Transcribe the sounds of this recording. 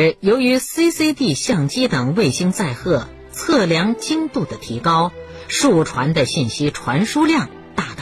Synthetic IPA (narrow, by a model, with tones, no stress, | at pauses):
jo˧˥ʊy˧˥si˥si˥ɪt̪i˥˧ɕjɑ˥˩ŋt͡ɕi˥t̪ɤ˨˩ŋwe˥˩ɪɕi˥ŋt͡sa˥˧ɪxɤ˥˩ | t͡sʰɤ˥˩ljɑ˧˥ŋt͡ɕi˥ŋt̪u˥˩d̪ə˩t̪ʰi˧˥kɑ˥ʊ | ʂu˥˩ʈ͡ʂʰwa˧˥nd̪ə˧ɕi˥˩nɕi˥ʈ͡ʂʰwa˧˥nʂu˥ljɑ˥˧ŋ | t̪a˥˩t̪ɑ˥˩